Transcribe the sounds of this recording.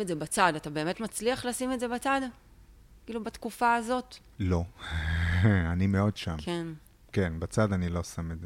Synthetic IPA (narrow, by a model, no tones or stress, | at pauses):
etzebat͡sadatabe̞ːme̞tmat͡sliaχlasimedzebat͡sad | kiːlubat̪kufaːzo̞t | lo̞ | animeo̞dʃamken | kenbat͡sadanilo̞sameze